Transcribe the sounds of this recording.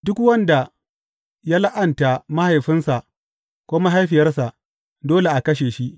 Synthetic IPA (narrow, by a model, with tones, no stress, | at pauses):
dʊ˦kwɐ˦nda˨ | ja˦la˦ʔɐ˨nta˨ma˦ha˨jɸɪ˦nsa˨ʔ | kʷʊ˦ma˦ɦa˦jɸɪ˨jɐ˦rsa˨ʔ | doː˦le˨ʔa˨kɐ˦ʃeː˨ʃi˦ʔ